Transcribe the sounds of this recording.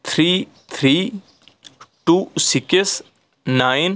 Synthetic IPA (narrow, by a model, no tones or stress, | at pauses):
t̪ʰɾiː | t̪ʰɾi | ʈuːsiks | najn